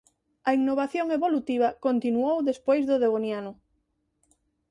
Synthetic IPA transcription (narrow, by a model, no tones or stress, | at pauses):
ɐiŋnoβ̞aθjoŋeβolut̪iβ̞akont̪inuowðespojzðoðeɣonjanʊ